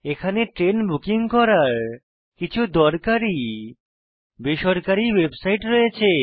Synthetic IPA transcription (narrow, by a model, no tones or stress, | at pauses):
ekʰaneʈɾenbukiŋkɔɾaɾ | kit͡ɕʰud̪ɔɾkaɾi | beʃɔɾkaɾiwebsajʈɾɔjet͡ɕʰe